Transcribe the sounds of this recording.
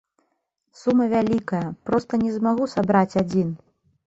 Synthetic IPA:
sumɐvʲalʲikɐjɐpɾɔst̪ɐnʲɛzmaɣusabɾat͡sʲad͡zʲin

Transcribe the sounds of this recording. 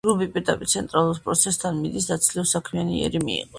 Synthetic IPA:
ɡɾubipʼiɾd̪apʼiɾt̪sʰɛnt̪ʼɾalˠuɾpʼɾɔt̪sʰɛst̪ʰanmid̪isd̪at̪sʰliɔsakʰmianiɛ̰ɾimḭḭqʼɔ

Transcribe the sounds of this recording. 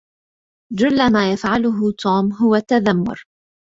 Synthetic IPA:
d͡ʒʊlːamaːjafʕalʊɦʊt̪uːmɦʊwat̪ːaðamːʊ̰ɾ

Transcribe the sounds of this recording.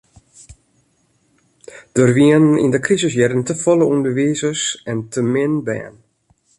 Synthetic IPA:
d̥ərʋiənḭndəkrizəsjɛɾəntəfɔləundərʋiːzəsɛntʰəmɪnbɛ̰ːn

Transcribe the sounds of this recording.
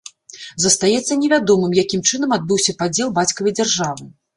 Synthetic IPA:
zɐst̪ajɛt̪sːɐnʲɛvʲad̪ɔmɨmjakʲimt͡ʂɨn̪ɐmad̪̚bɨwsʲɐpad͡zʲɛlˠbat͡sʲkɐvɐjd͡zʲarʐavɨ

